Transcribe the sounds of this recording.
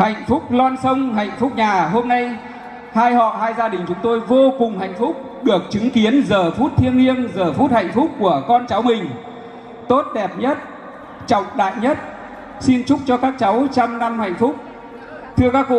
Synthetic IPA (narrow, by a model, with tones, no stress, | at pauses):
ha̰˧˨jŋ̟fʊ˦˥k͡p̚lwaː˧nsə˧wŋ͡mha̰˧˨jŋ̟fʊ˦˥k͡p̚ɲaː˨˩ɦo˧mna˧j | haː˧jhɔ̰˧˨ɦaː˧jzaː˧ɗï˨˩ŋ̟t͡ɕʊ˨˦ŋ͡mt̪o˧jvo˧kʊ˨˩ŋ͡mha̰˧˨jŋ̟fʊ˦˥k͡p̚ | ɗɨ˨˩ək̚t͡ɕɨ˨˦ŋki˨˦ənzəː˨˩fu˦˥t̚t̪ʰi˧ənːi˧ənzəː˨˩fu˦˥t̚ha̰˧˨jŋ̟fʊ˦˥k͡p̚kːu˧˩əkɔ˧nt͡ɕa˨˦wmï˨˩ŋ̟ | t̪o˦˥t̚ɗɛ˨˩p̚ɲə˦˥t̚ | t͡ɕɔ̰˧˨wŋ͡mɗa̰ː˧˨jɲə˦˥t̚ | si˧nt͡ɕʊ˦˥k͡p̚t͡ɕɔ˧kaː˦˥k̚t͡ɕa˨˦wt͡ɕa˧mna˧mha̰˧˨jŋ̟fʊ˦˥k͡p̚ | t̪ʰɨ˧əkaː˦˥kkṵ˧˨